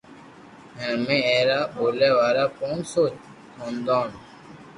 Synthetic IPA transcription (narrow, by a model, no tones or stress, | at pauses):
ɦẽːmẽːeːɾaːboːleːʋaːɾaːpoːnsoːt͡ɕ | t̪ʰõːnd̪õːn